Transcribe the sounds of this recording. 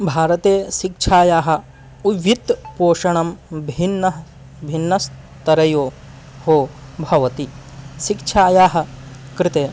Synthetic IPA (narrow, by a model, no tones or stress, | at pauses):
bʱaːɾɐt̪eːʃikt͡ʃʰaːjaːɦɐ̆ | uʋjit̪poːʂɐɳɐmbʱinːɐɦɐ | bʱinːɐs | t̪ɐɾɐjoː | hoːbʱɐʋɐt̪iʃikt͡ʃʰaːjaːɦɐ̆ | kɾɪt̪eː